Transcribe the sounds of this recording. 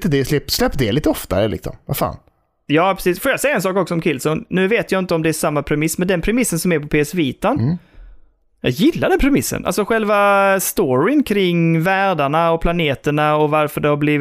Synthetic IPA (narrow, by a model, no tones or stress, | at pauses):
t̪əd̪ɛslɛpːslɛpːd̪ɛliːt̪əɔft̪a̰ɾə̰lɪ̰ksɔ̰mva̰fa̰ːn | jɑːpʰɾɛ̥siːsfoːɾjasɛjːaɛnsɑːkɔksɔɔmkʰɪlsɔnnʉ̟ːveːt̪jaɪnt̪əɔmd̪ɛæʂamːapʰɾɛmɪsmɛnd̪ɛnpʰɾɛmɪsːənsɔmæɾpɔpʰeːɛsviːt̪an | jɑ̰ːɡjɪlːaɖɛnpʰɾɛmɪsːə̰na̰lsɔɧɛlvast̪oɾɪnkʰɾɪŋːvæːɖaɳaɔpʰlaneːt̪əɳaɔvaɾfœɖɛhaɾbliːv